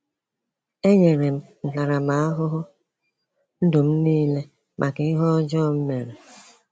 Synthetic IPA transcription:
e˦ɲe˨ɾe˨m̩˦n̩˨ta˨ɾa˨ma˨a˦ɦʊ˦ɦʊ˦ | n̩˦do˨m̩˦niː˦le˦ | mʔa˨kɪ˨ɪ˦ɦɔ˦d͡ʒɔ˦˨m̩˦me˨ɾe˨

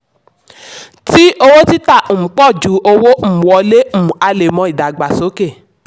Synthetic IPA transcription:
ti˦o˧wo˦ti˦tã˦˨k͡pɔ˦˨d͡ʒu˨˦ʔo˧wo˦m̩˦˨wɔ˧le˦m̩˦˨a˧le˨mɔ̃˧˦i˨da˨ɡ͡ba˨so˨˦ke˦˨

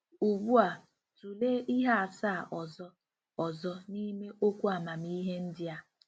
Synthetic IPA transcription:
u˨bu˦a˨ | tu˨leː˦i˦ɦa˦a˨sa˦˨ʔɔ˨zɔ˦ | ɔ˨zɔ˦ni˦me˦ʔo˦kʷu˦a˨ma˨mi˦ɦe˦n̩˦dɪ˦a˦

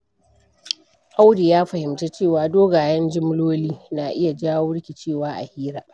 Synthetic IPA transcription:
ʔa˦wdi˨jaː˦ɸɐ˨hɪ˨mte˦t͡ʃeː˦˨waː˨doː˦ɡaː˨jɐ˦nd͡ʒɪ˦m˦loː˦liː˦na˨ʔɪ˦ja˨d͡ʒaː˦wʊ˦ɽkʲi˨t͡ʃeː˦˨waː˦ʔa̰˨hiː˦ɾaː˨ʔ

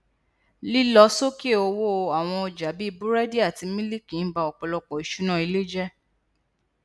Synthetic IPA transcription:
li˦lɔ˧˦so˦ke˦˨o˧wo˦˧a˨w̃ɔ̃˧ɔ˧d͡ʒa˨˦bi˦i˦˧bu˦ɾɛ˦di˦a˦˨ti˧mĩ˦li˦ki˨n̩˦ba˧ɔ˨k͡pɔ˧lɔ˧k͡pɔ˨i˨ʃu˦nã˦˨i˧le˦d͡ʒɛ˦

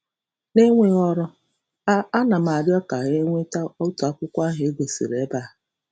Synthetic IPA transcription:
ne˦ŋʷe˦ɣɔ˦ɾɔ˦ | a˦a˦na˨m̩˨a˨ɾjɔ˦ka˨ɦe˦ŋʷe˦ta˦ɔ˦tu˨a˦kʷʊ˦kʷa˦ɦɪ˨e˦ɡʷe˨sḭ˨ɾe˨˦ba˦˨˦

